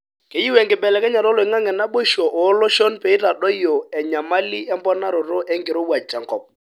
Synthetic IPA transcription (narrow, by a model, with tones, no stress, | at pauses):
ke˨ji˦wɛ˨ŋɡɪ˨bɛ˨lɛ˨kɛ˦ɲa˨ɾɔ˦lo˨ɪ˨ŋa˦ŋɛ˨na˦ɓo˦ʃo˨ʔo˨˦lo˦ʃo˦npe˨i˦ɾa˨dɔ˦jo˨ɛ˨ɲa˨ma˦li˦ɛ˦mbɔ˦na˦ɾo˨ɾo˦ʔɛ˦ŋɡɪ˨ɾo˦wa˨t͡ʃa˨ŋkɔ˨p̚